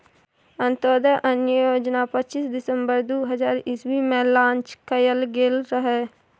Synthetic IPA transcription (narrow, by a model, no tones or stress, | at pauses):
ənt̪ɔːd̪əʔənjəjoːd͡ʒnaːpətːt͡ʃiːsd̪ɪsəmbəɾd̪uːɦəzaːɾɪswiːmɛ̃ːlãːnt͡ʃkəjəlɡeːlɾəɦɛː